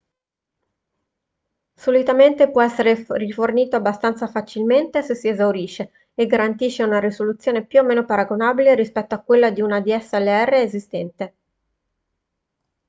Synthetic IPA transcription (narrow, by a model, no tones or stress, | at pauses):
solit̪ament̪epwɔɛsːeɾeriforniːt̪oabːast̪ant̪safat͡ʃilment̪esesːiezawɾiːʃːe | eɡːaɾant̪iːʃːeunaɾisolut̪sːjoːnepjuomeːnopaɾaɡonabileɾispɛt̪ːoakːwelːad̪iunad̪iɛsːɛlːeɛrːeːzist̪ɛnt̪e